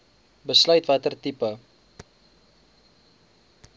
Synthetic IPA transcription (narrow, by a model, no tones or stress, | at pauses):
bəslœɥtvɐtərtipə